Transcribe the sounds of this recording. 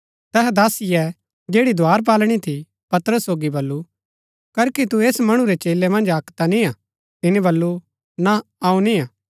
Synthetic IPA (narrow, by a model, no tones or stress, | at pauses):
t̪ɛɦɛd̪aːsiɛ | d͡ʒeːɽid̪ʱaːɾp̬aːlɽ̃it̪ʰi | pɐt̪ɾəsːoːɡibɐlːu | kɐɾkit̪ueːsmɐɽ̃uɾet͡ʃeːlːemɐ̃nd͡ʒaːkt̪ania | t̪ɪnĩbɐlːu | naaːũnia